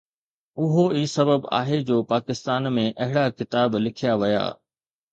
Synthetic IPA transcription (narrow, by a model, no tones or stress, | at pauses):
ʊɦoiːsɐbəba̰ːɦed͡ʑoːpaːkɪst̪aːnmẽʔɐɦɪɽakɪt̪aːblɪkʰijaʋɐja̰ː